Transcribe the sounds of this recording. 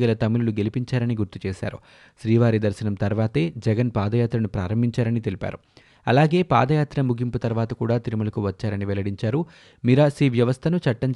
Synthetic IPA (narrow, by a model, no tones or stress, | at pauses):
ɡɐlɐt̪ɐmːiluluɡe̞lipiɲt͡ʃaːɾɐniɡuɾt̪ut͡ʃeːʃa̰ːɾṵ | ʃɾiːʋaːɾid̪ɐɾʃinɐmt̪ɐɾʋaːt̪e̞ːd͡ʒɛɡɐnpaːd̪ɐjaːt̪ɾɐnupɾaːɾɐmbʱiɲt͡ʃaːɾɐnit̪elipa̰ːɾu | ɐlaːɡe̞ːpa̰ːd̪ɐjaːt̪ɾɐmuɡʱimput̪ɐɾʋaːt̪ɐkuːɽaːt̪iɾumɐlɐkuʋɐt͡ʃːaːɾɐniʋɛlɐɽiɲt͡ʃaːɾu | miɾasɾiːʋjɐʋɐst̪ʰɐnut͡ʃɐʈːɐɲt͡ʃ